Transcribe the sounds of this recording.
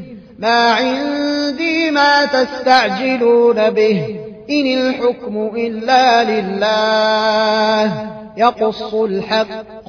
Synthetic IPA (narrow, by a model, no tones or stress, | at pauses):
maːʕɪnd̪iːmaːt̪ast̪aʕd͡ʒɪluːnabɪhʔɪnɪlħʊkmʊʔɪlːaːlɪlːaː | h | jɑqʊsːʊlħɑqː